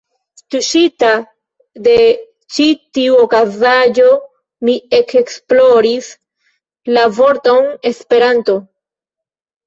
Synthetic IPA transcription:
tuʃita | de̞ | t͡ʃitiuokazad͡ʒo̞ | mie̞kʰeksplo̞ɾis | lavo̞ɾtone̞spe̞ɾanto̞

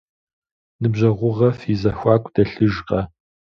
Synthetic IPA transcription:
nɨbʑɐʁʷʊʁɐfizɐxʷɑːkʷʰʼd̥ɐɬɨʒqɐ

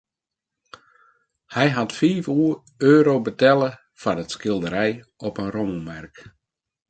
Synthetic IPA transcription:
hɛjɦatfiːvuə | øːɾowbətɛlˠə | fanətskɪlˠdəɾɛj | ɔpənromumɛrk

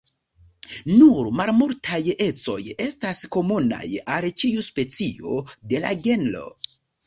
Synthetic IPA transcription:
nuɾmalmuɾtʰaje̞t͡so̞̰je̞stasko̞muna̰jalt͡ʃiuspe̞t͡sio̞̰de̞la̰ɡenlo̞̰

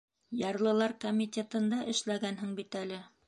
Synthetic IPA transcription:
jɑɾlˠɤ̆lˠɑɾkomʲit̪ʲet̪ɤ̆nd̪ɑʔɘ̆ʃlæɡænɦɘŋbit̪ælɘ

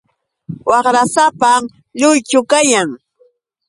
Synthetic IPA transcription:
wɑχɾasapa | ʎʊjt͡ʃʊkajaŋ

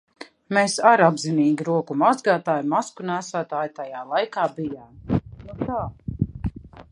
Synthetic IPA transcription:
meːsaɾabziniːɡʲiɾuɔkumazɡaːt̪aːjmaskunæːsæːt̪aːjt̪ajaːlˠajkaːbijaːmjut̪aː

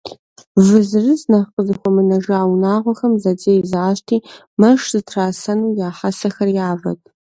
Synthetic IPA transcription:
vɨzɨrɨznɐqəzɨxʷɔmɨnɐʒaːwnaːʁʷɔxɐmzɐd͡zeːjzaːʃtʰiː | mɐʂz̥ɨtʰraːsɐnuːjaːħasɐxɐrjaːvɐ̰tʰʼ

